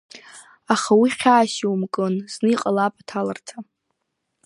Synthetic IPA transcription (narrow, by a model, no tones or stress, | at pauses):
aχawiχʲaːʃiwmkʼɨnz̥nɨiqʼalapʼatʰalartʰa